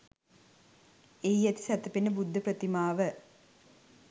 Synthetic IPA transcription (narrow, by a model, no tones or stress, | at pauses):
ejːɛt̪i̥sæt̪əpenəbud̪ʱːəprət̪imaːʋə